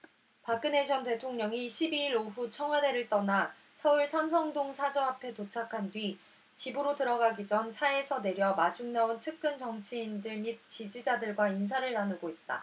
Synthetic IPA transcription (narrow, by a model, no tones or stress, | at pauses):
pak͈ɯneɕʰʌnte̞tʰoŋɲʌŋiɕʰibiːɾoɸut͡ɕʰʌŋwade̞ɾɯɭt͈ʌna | sʰʌuɭsʰams̬ʰʌŋdoŋsʰad͡ʑʌapʰe̞tot͡ɕʰakʰandɥi | t͡ɕibɯɾotɯɾʌɡaɡid͡ʑʌnt͡ɕʰaesʰʌne̞ɾjʌmad͡ʑuŋnauntʰɯk̚k͈ɯnt͡ɕʌŋt͡ɕʰiːndɯɭmid̚t͡ɕid͡ʑid͡ʑadɯɭɡwains̬ʰaɾɯɭnanɯɡoit̚t͈a̰